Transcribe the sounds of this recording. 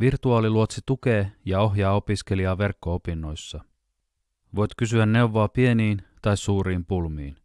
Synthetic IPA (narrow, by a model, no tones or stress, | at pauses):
ʋirt̪uɑːliluot̪sit̪uke̞ːjɑo̞ɦjɑːo̞pisk̟e̞liɑːʋe̞rkːo̞opinːo̞jsːɑ | ʋo̞jt̪kysyænːe̞uwʋo̞ɑpie̞niːnt̪ɑjssuːɾiːmpulmiːn